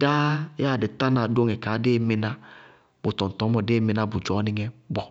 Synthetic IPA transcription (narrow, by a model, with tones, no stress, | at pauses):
da˦ja˦˨dɪ˨ta˦na˨do˦ŋɛ˨kaː˨˦de˦˨mɪ˧na˦ | bo˨tɔ˨n̩˨tɔ˨˦mɔ˨deː˦mi˧na˦bu˨d͡ʒɔ˨˦nɪ˧ŋɛ˦bɔ˨